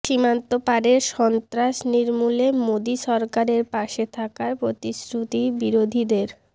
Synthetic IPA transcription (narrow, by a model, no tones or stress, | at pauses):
ʃimant̪opaɾeɾʃɔnt̪ɾaʃniɾmulemod̪iʃɔɾkaɾeɾpaʃet̪ʰakaɾpɾot̪isɾut̪ibiɾod̪ʱid̪eɾ